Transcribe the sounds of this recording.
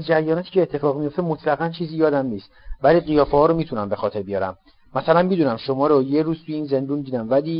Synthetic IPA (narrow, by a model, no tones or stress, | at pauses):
zd͡ʒæɾjɒːnɒt̪ʰi̥ːcʰeːt̪ʰːe̞fɒːɣmijo̞ft̪emot̪ʰlæɣænt͡ʃʰiːzijɒːd̪æmniːst̪væliːɢijɒːfehɒːɾomiːt̪ʰunæmbe̞xɒːt̪ʰe̞ɾbijɒːɾæ̰m | mːæsælænmid̪uːnæmʃomɒːɾojeɾuːz̥t̪ʰujeiːnze̞nd̪uːnd̪iːd̪æmvæli